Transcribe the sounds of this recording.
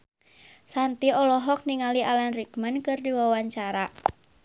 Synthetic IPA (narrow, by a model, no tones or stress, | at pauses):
sant̪iɔlɔɦɔk̚niŋaliʔalanrikmənkɨrdiwawaɲt͡ʃaɾa